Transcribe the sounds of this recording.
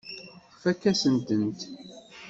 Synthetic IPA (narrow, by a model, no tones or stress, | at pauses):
fækːæsənt̪ənt̪